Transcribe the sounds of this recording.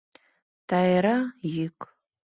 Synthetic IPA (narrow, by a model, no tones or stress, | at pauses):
tʰajɾajɪkʼ